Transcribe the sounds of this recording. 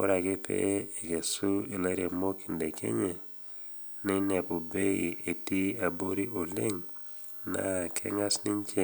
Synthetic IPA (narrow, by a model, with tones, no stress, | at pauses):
mo̰˦ɾa˨ɡe˦pʰḛ˦e˨ɡe˨su˦e˨la˦ɾja˨mo˦ki˨nde˨kʰḛ˦ɲe˨ | nɪ˦nɛ˨po˨be˦i˨e˨ti˦a˨bo˦ɾi˦o˨lɪ˦ŋ | na̰˦˨kʰɛ̰˦ŋa˦snɪ˦ɲt͡ʃe˦